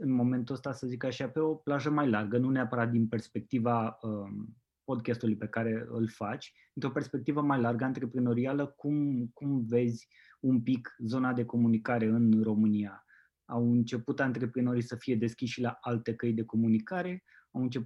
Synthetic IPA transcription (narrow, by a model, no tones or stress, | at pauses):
ɨnmo̞me̞nt̪uəst̪asəzikaʃape̞o̞plaʒəmajlarɡənuneapəɾat̪̚d̪inpe̞rspe̞k̚t̪ivaə | po̞d̪kʲast̪ulujpe̞kaɾe̞ɨ̰lfat͡ʃʲdd̪int̪ɾo̞perspe̞k̚t̪ivəmajlarɡəant̪ɾe̞pɾino̞ɾialəkumkumve̞zʲ | umpikzo̞nad̪e̞ko̞munikaɾe̞ɨnro̞mɨnia | awɨnt͡ʃe̞put̪ant̪ɾe̞pɾino̞ɾijsəfije̞d̪e̞skʲisʃilaalt̪e̞kəjd̪e̞ko̞munikaɾe̞ | awɨnt͡ʃe̞p